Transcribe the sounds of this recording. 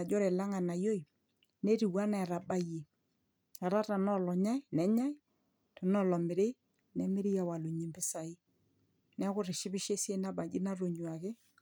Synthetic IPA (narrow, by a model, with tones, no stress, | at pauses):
a˨d͡ʒɔ˦ɾɛ˨la˦ŋa˨na˨jo˦i˨ | ne˦ɾi˨wa˦na˨ɾa˨ɓa˦je˨ | a˨ɾa˦ta˨nɔ˦lɔ˨ɲa˦ɪ˦nɛ˨˦ɲa˦ɪ˦ | tɔ˨nɔ˦˨lɔ˨mɪ˨ɾɪ˦ | nɛ˨˦mɪ˦ɾɪ˦ja˨wa˨lʊ˨ɲi˨mbɪ˦sa˨ɪ˦ | nɛ˦kʊ˦ɾɪ˨ʃɪ˦bɪ˦ʃe˦sje˦na˦ba˨d͡ʒɪ˦na˦ɾo˨ɲu˨a˨kɪ˦